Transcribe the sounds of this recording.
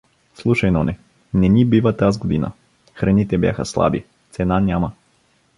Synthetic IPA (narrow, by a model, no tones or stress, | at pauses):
slˠuʃɐjnonɛ | nɛnibivət̪azɡod̪inə̰ | xɾɐnit̪ɛbja̰xə̰slˠa̰bḭ | t̪sɛnanʲamə